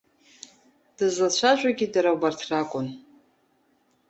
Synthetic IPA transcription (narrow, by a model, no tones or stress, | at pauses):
d̥ɨzat͡ɕʷʰaʒᶣʷaɡʲidaɾawbartʰrakʷʼʊn